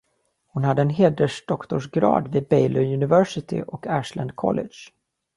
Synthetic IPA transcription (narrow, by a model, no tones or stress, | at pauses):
hʊnhad̪ːəɛnɦeːd̪əʂɖɔkt̪ɔʂɡɾɑ̰ːd̪viːbɛjlɪjɵnɪvæʂɪt̪ʰɪ̰ʔɔkʰæːʂland̪kʰɔ̰lːɪ̰d̪ʂ